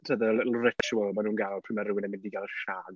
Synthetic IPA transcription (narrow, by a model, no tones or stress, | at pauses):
tʰəðəlˠʊrɛtaʃwɔlˠmanuːnɡalˠpʰɪmaɾɪwɪnɛmɪndiɡalˠʃaːɡ